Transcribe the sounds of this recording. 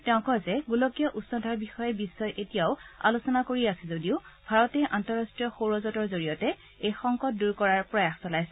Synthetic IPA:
tɛʊ̃kɔzɛɡulokijɔʔusɔndʱaɹbixɔjɛbisːɔjʔetijaʊa̰lusɔnakoɹiasɛzodiʊb̥ʱaɹɔtɛʔantɔɹastɹijɔxoɹɔzɔtɔɹzoɹijɔtɛ | ejxɔŋkɔt̚duɹkɔɹaɹpɹɔjaxsɔlajsɛ

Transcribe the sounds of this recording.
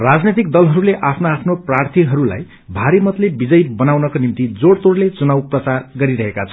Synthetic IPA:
rad͡znet̪ik̚d̪ʌlɦʌɾuleʔapʰnaapʰnoprart̪ʰiɦʌɾula̰j | bʱaɾimʌt̪lebid͡zʌjbʌnawnʌkonimt̪id͡zoɽt̪oɽlet͡sunawprʌt͡sarɡʌɾiɾʌɦekat͡sʰʌ

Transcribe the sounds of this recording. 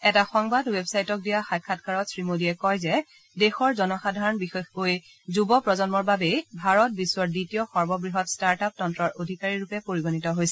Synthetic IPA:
ɛtaxɔŋbadwebsajtɔk̚dijaxaj̚kʰat̚kʰaɹɔtsɹimodiɛkɔjzɛ | dexɔɹzɔnɔxadʱaɹɔnbixɔjkoj | zubɔpɹɔzɔnmɔɹbabejbʱaɹɔt̚biswɔɹditiɔxɔɹbɔbɹiɦɔtstaɹtap̚tɔntɹɔɹʔodʱikaɹiɹupɛpoɹiɡonitɔɦojsɛ

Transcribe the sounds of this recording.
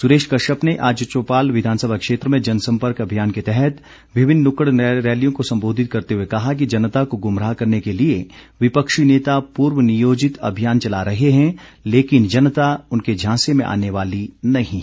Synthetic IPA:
suɾeːʃʈkɐʃəpneʔaːd͡ʒt͡ʃoːpaːlʋɪd̪ʱaːnsəbʱakʃeːt̪ɾəmẽd͡ʒɐnsɐ̃mpəɾkɐbʱijaːnket̪ɛɦɛt̪ | ʋɪʋɪnːʊkəɽɾɛːlijõkosɐ̃mboːd̪ʱɪt̪̚kɐɾt̪eɦuekɐɦak̬id͡ʒɐnt̪akoɡʊmɾaːkɐɾnekelie | ʋɪpəkʃineːt̪apuːɾʋənijoːd͡ʒɪt̪ɐ̰bʱijaːnt͡ʃɐlaɾɐɦeɦɛ̃leːkɪnd͡ʒɐnt̪aʊnked͡ʒʱãːsemẽʔa̰ːneʋaːlinɐɦĩː

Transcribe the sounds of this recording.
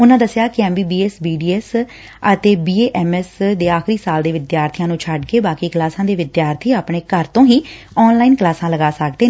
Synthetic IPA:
ʊnãːd̪əsjaːkɪɛːmbiːbiːɛːsbiːɖiːɛːs | ət̪eːbiːeːʔɛːmɛːsd̪eːaːxɾiːsaːld̪eːʋɪd̪jaːɾt̪ʰijãːnũːt͡ʃʰaɖkeːbaːkiːklaːsãːd̪eːʋɪd̪jaːɾt̪ʰiːaːpɳeːkəɾt̪õːɦiː | ɔːnlaːiːnklaːsãːləɡaːsək̚d̪eː

